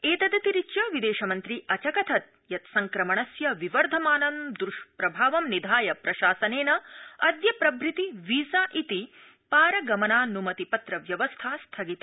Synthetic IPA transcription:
eːt̪ɐd̪ɐt̪iɾit͡ʃjɐʋid̪eːʃɐmɐnt̪ɾiʔɐt͡ʃɐkɐt̪ʰɐt̪̚ | jɐt̪sɐŋkɾɐmɐɳɐsjɐʋiʋɐɾd̪ʱɐmaːnɐmd̪ɾuʃpɾɐbʱaːʋɐmnid̪ʱaːjɐpɾɐʃaːsɐneːnɐɐd̪jɐpɾɐbʱɾit̪iʋiːsaːʔit̪i | paːɾɐɡɐmɐnaːnumɐt̪ipɐt̪ɾɐʋjɐʋɐst̪ʰaːst̪ʰɐɡit̪a

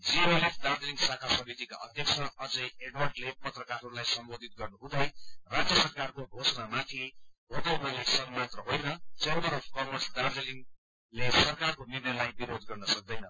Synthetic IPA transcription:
d͡ziolepʰd̪ard̪eliŋɡsakʰasʌmit̪ika̰ʔʌ̰d̪ʱjʌkt͡sʰʌʌd͡zʌjeɖwʌrɖlepʌt̪rʌkarɦʌɾulajsʌmbod̪ʱit̪̚ɡʌrnuɦũd̪ʌjrad͡zjʌsʌrkarkobʱosʌnamat̪ʰiɦod̪ʌunalesʌbmat̪rʌɦojnʌt͡send̪ʌɾʌpʰkʌmʌrsd̪ard̪eliŋ | lesʌrkarkomirnʌlajbiɾod̪ɡʌrnʌsʌk̚d̪ʌjnʌ

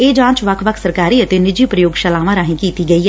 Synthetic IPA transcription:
eːd͡ʒãːt͡ʃʋəkʰʋəkʰsəɾkaːɾiːət̪eːnɪd͡ʒiːpɾəjoːɡʃəlaːʋãːɾaːɦĩːkiːt̪iːɡəiːɦɛː

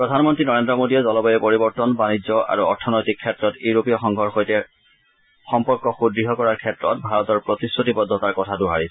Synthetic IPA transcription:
pɹɔdʱanmɔntɹinɔɹendɹɔmodijɛzɔlɔbɔjɛpoɹibɔɹtɔnbanid͡ʑɔʔa̰ɹuɔɹtʰɔnojtikʰːɛtɹɔtuɹopijɔxɔŋɡʱɔɹxojtɛ | xɔmpɔɹkɔxudɹiɦɔkɔɹaɹkʰɛtɹɔ̰t̚bʱaɹɔtɔɹpɹotisotibɔdʱːɔtaɹkɔtʰaduɦaɹisɛ

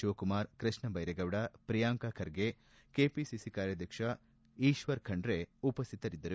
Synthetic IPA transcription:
ʃoːkumaːɾkɾɐʂɳɐbɐjɾeɡɐʋɽɐpɾijaːŋkakʰɐɾɡe | keːpisisikaːɾjɐd̪ʱjɐkʂɐ | iːʃʋɐɾkʰɐɳɖɾeupɐst̪ʰit̪ɐɾid̪ːɐɾu

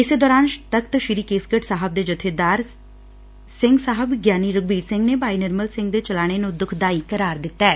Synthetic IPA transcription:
ɪseːd̪ɔːɾaːnt̪əkt̪əʃɪɾiːkeːskəʈsaːɦəb̚d̪eːd͡ʒʊt̪ʰːed̪aːɾ | sɪ̃ŋɡsaːɦəbɡjaːniːɾʊɡ̚biːɾsɪ̃ŋɡneːbaːiːnɪɾməlsɪ̃ŋɡd̪eːt͡ʃəlaːɽ̃enũd̪ʊkʰd̪aːiːkəɾaːɾd̪ɪt̪ːaɛː

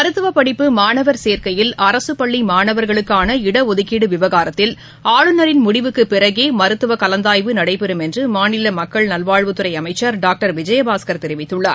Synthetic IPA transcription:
mɐɾɯt̪ːɯʋɐpɐɽɪpːɯmaːɳɐʋɐɾseːɾkɐjɪlɐɾɐsɯpɐɭːimaːɳɐʋɐɾɣɐɭɯkːaːnɐɪɽɐɔðɯkiːɽɯʋɪʋɐɣaːɾɐt̪ːɪl | aːɭɯnɐɾɪnmʊɽɪʋɯkːɯpːɪɾɐɣeːmɐɾɯt̪ːɯʋɐkɐlɐnd̪aːjʋɯnɐɽɐɪpɛɾɯmɛndrɯmaːnɪlɐmɐkːɐɭnɐlʋaːɻʋɯt̪ɯɾɐɪɐmɐɪt͡ʃːɐɾɖaːk̚ʈɐɾʋɪd͡ʒɐjɐbaːskɐɾt̪ɛɾɪʋɪt̪ːɯɭːɐ

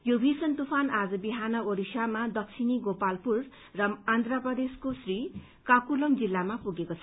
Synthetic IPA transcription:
jobʱisʌnt̪upʰanad͡zʌbiɦanʌoɾisamad̪ʌk̚sʰiniɡopalpurː | ʌmand̪rapʌd̪eskosri | kakulʌmd͡zilːamapuɡekot͡sʰʌ

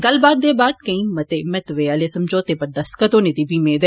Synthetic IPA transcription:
ɡɐlbaːd̪̚ːeːbaːd̪̚kɐĩːmɐt̪emɛt̪ʋeɐlesɐmd͡ʒʱoːt̪eːpɐɾd̪ɐskɐt̪oːnet̪ibʱimẽːd̪eː

